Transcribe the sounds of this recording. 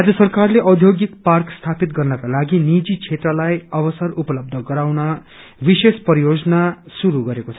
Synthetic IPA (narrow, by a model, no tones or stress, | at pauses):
ad͡zʌsʌrkarleʔʌd̪ʱjoɡik̚parkst̪ʰapit̪ɡʌrnʌkalaɡinid͡zit͡sʰet̪rʌlajʌβʌsʌrupʌlʌb̚d̪ʱʌɡʌɾawnʌ | bisespʌɾijod͡zʌnasuɾuɡʌɾekot͡sʰʌ